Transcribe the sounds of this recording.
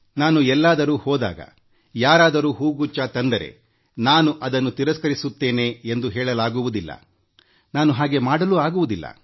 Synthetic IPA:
naːnuɛlːaːd̪ɐɾuːhɔːd̪a̰ːɡɐ̰ | jaːɾaːd̪ɐɾuːɦuːɡut͡ʃːat̪ɐnd̪ɐɾe̞̰ | naːnuʔɐd̪ɐnːut̪iɾɐskɐɾisut̪ːe̞ːne̞ːend̪uɦɛːɭɐlaːɡuʋud̪ilːɐ̰ | naːnuɦaːɡe̞maːɽɐluaːɡuʋud̪ilːɐ̰

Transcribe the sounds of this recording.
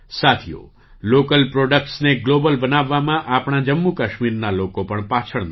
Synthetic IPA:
sat̪ʰijo̰ | lokəlpɾoɖək̚ʈsneɡlobəlbənaʋːamãʔapɳ̃ad͡ʒəmːukəʃmiɾnalokopəɳpat͡ʃʰəɭn

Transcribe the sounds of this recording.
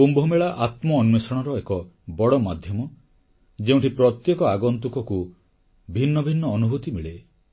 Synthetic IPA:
umbʱɔmeɭaʔat̪mɔːnmesɔɽ̃ɔɾɔekɔ | bɔɽɔmad̪ʱjɔmɔ | d͡ʒeũʈʰipɾɔt̪jekɔaɡɔnt̪ukɔku | bʱinːɔbʱinːɔːnubʱut̪imiɭe

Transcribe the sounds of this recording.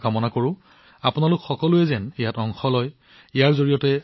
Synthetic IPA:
kamɔnakoɹʊ̃ | apʊnalʊkxɔkɔlʊɛzɛnijatɔŋxɔlɔj | ijaɹzoɹijɔtɛ

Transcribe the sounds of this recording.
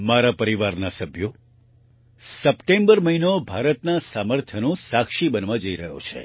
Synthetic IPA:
maɾapəɾiʋaɾnasəbʱjo | səpʈembəɾməɦinobʱaɾət̪nasaməɾt̪ʰənõsakʃibənʋãd͡ʒəiɾəɦo̰t͡ʃʰḛ

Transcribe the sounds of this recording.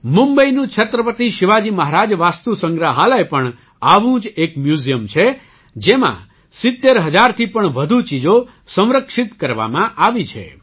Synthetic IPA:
mũmbəinũt͡ʃʰət̪ɾəpət̪iʃɪʋad͡ʒiməɦaɾad͡ʒʋast̪usəŋɡɾaɦalaepəɳ | aʋũd͡ʒekmjuzijəmt͡ʃʰe | d͡ʒemã̰ | sɪt̪ːeɾɦəd͡ʒaɾt̪ʰipəɳʋəd̪ʱut͡ʃid͡ʒo | sə̃w̃ɾəkʃɪt̪kəɾʋa̰mãʔaʋit͡ʃʰḛ

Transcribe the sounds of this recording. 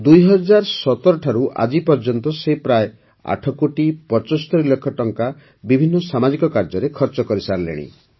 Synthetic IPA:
d̪ujɦɔd͡ʒaɾɔsɔt̪ɔɾɔʈʰaɾuʔa̰d͡ʒipɔɾd͡ʒɔnt̪ɔsepɾaje | a̰ʈʰɔkoʈipɔt͡ʃɔsɔ̥t̪ɔɾilːekʰːɔʈɔŋka | bibʱinːɔsamad͡ʒikɔkaɾd͡ʒɔɾekʰɔɾt͡ʃɔkɔɾisaɾlḛɽ̃ḭ

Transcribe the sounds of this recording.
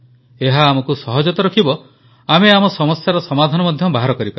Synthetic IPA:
eɦaːmɔkusɔɦɔd͡ʒɔt̪ɔɾɔkʰibɔ | ameamɔsɔmɔsjaɾɔsɔmad̪ʱanɔmɔd̪ʱjɔbaɦaɾɔkɔɾipaɾ

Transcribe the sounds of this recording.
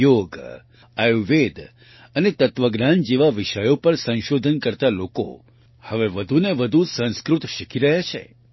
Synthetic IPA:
joɡ | əjuʋed̪ | ənet̪ət̪ʋəɡnand͡ʒeʋaʋiʃəjopəɾsə̃ñʃod̪ʱənkəɾt̪aloko̰ | həʋeʋəd̪ʱuneʋəd̪ʱusə̃ñskɾut̪ʃikʰiɾəɦat͡ʃʰḛ

